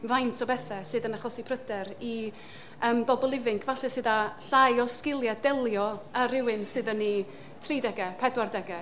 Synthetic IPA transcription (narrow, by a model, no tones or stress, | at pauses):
vajntʰɔbɛθɛsɨðənaχɔsipʰrədɛɾi | əmbɔbɔlˠɪvɪŋkʰvaɬɛsɨðaɬajɔskɪlˠjadɛlˠjɔaɾɪwɪnsɨðənːi | tʰriːdɛɡɛpʰɛdwardɛɡɛ